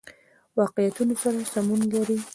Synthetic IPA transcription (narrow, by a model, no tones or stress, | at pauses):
wɑqɪjat̪unosaɾasamunlaɾi